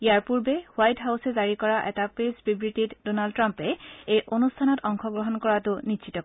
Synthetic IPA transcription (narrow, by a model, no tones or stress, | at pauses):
jaɹpuɹbɛwajtɦawsɛzaɹikɔɹaʔɛtapespibɹititdonaldtɹampɛejʔonustʰanɔtɔŋxʰɔɡɹɔɦɔnkɔɹatʊniʃʰitɔ